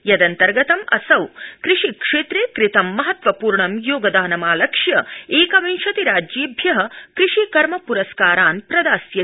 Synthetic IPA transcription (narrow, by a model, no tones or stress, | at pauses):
jɐd̪ɐnt̪ɐɾɡɐt̪ɐmɐ̰sɐwkɾɪʂikʂeːt̪ɾeːkɾit̪ɐmːɐɦɐt̪ʋɐpuːɾɳɐmjoːɡɐd̪aːnɐmaːlɐkʂjɐeːkɐʋɐnʃɐt̪iɾaːd͡ʒjeːbʱjɐɦɐkɾɪʂikɐɾmɐpuɾɐskaːɾaːnpɾɐd̪aːsjɐ